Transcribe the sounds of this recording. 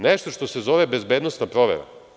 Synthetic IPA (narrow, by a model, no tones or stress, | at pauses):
neʃt̪oʃt̪osezoʋebezbeːd̪nost̪napɾoʋḛɾa̰